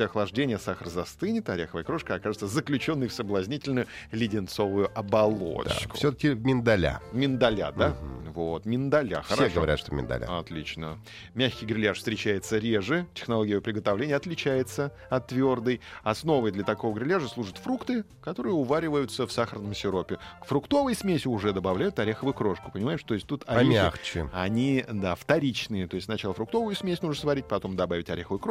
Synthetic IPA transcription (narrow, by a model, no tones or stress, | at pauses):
aɐxlˠɐʐdʲenʲɪjəsaxəɾəzɐst̪ɨnʲɪt̪ɐɾʲaxəvəjəkɾo̞ʂkəɐkaʐɨt̪səzəklʲʉt͡ɕo̞nːɨjfsəblˠɐzʲnʲitʲɪlʲnʊjʊlʲɪdʲɪnt̪so̞vʊjʊʔɐbɐlˠo̰d̪̰kʊsʲot̪əkʲɪmʲɪnd̪ɐlʲa̰mʲɪnd̪ɐlʲa̰d̪avot̪mʲɪnd̪ɐlʲa̰xəɾaeɡəvɐɾʲa̰tʂt̪omʲɪ̰nd̪ɐ̰lʲa̰ɐt̪lʲit͡ɕnə | mʲæxʲkʲɪjɡɾʲɪlʲaʂfst̪ɾʲɪt͡ɕæjɪt̪səɾʲeʐɨtʲɪ̥xnɐlˠo̞ɡʲɪjpɾʲɪɡət̪ɐvlʲenʲɪjəɐt̪lʲɪt͡ɕæjɪt̪sə | ɐt̪ːvʲo̞rd̪ɨjɐsno̞vəjd̪lʲət̪ɐko̞vəɡɾʲɪlʲaʐəslˠuʐət̪fɾukt̪ɨ | kɐt̪o̞ɾɨjəʊvaɾʲɪvəjʊt̪səfsaxərnəmsʲɪɾo̞pʲɪkfɾʊkt̪o̞vəjsmʲesʲɪʊʐɛd̪əbɐvlʲæjʊt̪ɐɾʲexəvʊjʊkɾo̞ʂkʊ̥pənʲɪmaɪʂt̪oɪsʲtʲt̪ut̪ɐexaɪxt͡ɕɪɐnʲid̪aft̪ɐɾʲit͡ɕnɨjət̪o̞jɪsʲtsnɐt͡ɕalˠəfɾʊk̚t̪o̞vʊjʊsmʲesʲnuʐɳ̩əsvɐɾʲit̚ʲpɐt̪o̞md̪ɐbavʲɪtʲɐɾʲexəvəjkɾo